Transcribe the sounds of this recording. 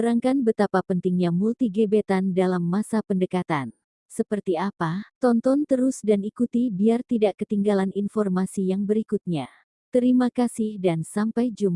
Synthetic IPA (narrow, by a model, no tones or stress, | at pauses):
əɾaŋkanbət̪apapənt̪iŋɲamult̪iɡebet̪andalamːasapəndəkat̪an | səpərt̪iapat̪ɔnt̪ɔnt̪əɾusdanikut̪ibiart̪idaʔkət̪iŋɡalaninfɔrmasijaŋbəɾikut̪̚ɲa | t̪əɾimakasɪhdansampajd͡ʒum